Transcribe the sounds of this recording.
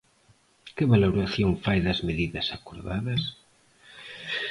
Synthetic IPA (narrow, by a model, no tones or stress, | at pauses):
kɪβaloɾaθjoŋfajðɐzmeðiðɐsakoɾðaðɐs